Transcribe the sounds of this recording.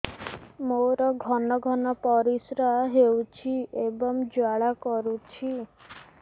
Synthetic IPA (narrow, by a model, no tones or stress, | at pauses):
moɾɔɡʱɔnɔɡʱɔnɔpɔɾisɾaɦewt͡ʃʰiebɔmd͡ʒwaɭakɔɾut͡ʃʰi